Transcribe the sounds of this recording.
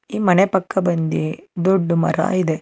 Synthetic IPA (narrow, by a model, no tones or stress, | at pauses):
iːmɐnepɐkːɐbɐnd̪id̪oɖːumɐ̰ɾa̰ːid̪e